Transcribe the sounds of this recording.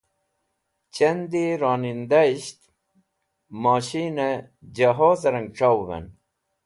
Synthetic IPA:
t͡ɕɐnd̪iɾɑːnind̪aiɕt̪ | mɑːɕine | d͡ʑaɦoːzɐɾɐŋɡʈ͡ʂawvḛn

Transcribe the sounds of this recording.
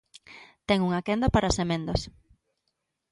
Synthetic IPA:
t̪ɛŋuŋakɛnd̪apaɾasemẽnd̪os

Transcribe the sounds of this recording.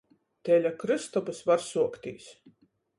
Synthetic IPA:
t̪ɛlʲakɾɨst̪ɔbɨsvaɾsuɔkt̪ʲḭːs

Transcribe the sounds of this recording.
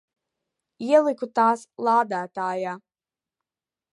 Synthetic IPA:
iɛlˠikut̪aːslˠaːd̪æːt̪aːjaː

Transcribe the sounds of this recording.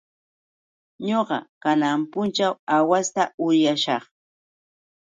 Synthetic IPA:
ɲoɢɑ̰kanampʊnt͡ʃawawast̪aʊjaʃɑχ

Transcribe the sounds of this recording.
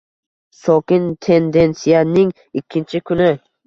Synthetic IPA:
sɒkʲɪnt̪ʰe̞nd̪e̞nsijanɪŋ | ɪkʲʰːɪnt͡ʃʰɪkʰʊnɪ

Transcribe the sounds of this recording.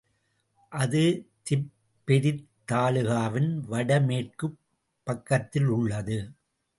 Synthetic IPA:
ʔɐðɯt̪ɪ | pːɛɾɪt̪ːaːlɯɣaːʋɪnʋɐɽɐmeːʈ̚kɯ | pːɐkːɐt̪ːɪlʊɭːɐðɯ

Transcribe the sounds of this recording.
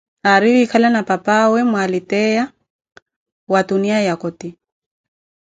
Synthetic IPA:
aɾiikʰalanapapawɛmwalɪtɛja | watuniajakɔti

